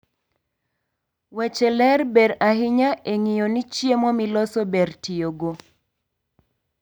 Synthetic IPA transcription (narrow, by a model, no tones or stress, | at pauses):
wɛt͡ʃɛlɛrbeɾaɦɪɲaʔeŋijonit͡ʃjemɔmilɔsɔbertijoɡo